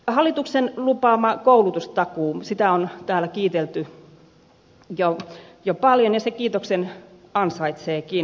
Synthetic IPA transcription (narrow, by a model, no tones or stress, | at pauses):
hɑlːˑit̪uksenlupɑːmɑkoulut̪ust̪ɑkuːsit̪æont̪æːlækiːt̪elt̪y | jojopɑljonjɑsekiːt̪oksenɑnsɑit̪seːkin